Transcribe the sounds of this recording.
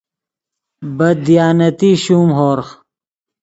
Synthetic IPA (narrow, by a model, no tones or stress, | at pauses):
bɐd̪ijaːnɐt̪iːɕuːmɦoːɾx